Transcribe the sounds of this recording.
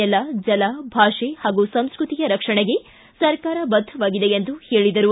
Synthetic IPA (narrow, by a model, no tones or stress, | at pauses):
ɛlɐd͡ʒɐlabʱaːʂehaːɡusɐmskɾut̪ijɐɾɐkʂɐɳeɡe̞ | sɐɾkaːɾɐbɐd̪ʱːɐʋaːɡid̪e̞end̪uhe̞ːɭid̪ɐɾu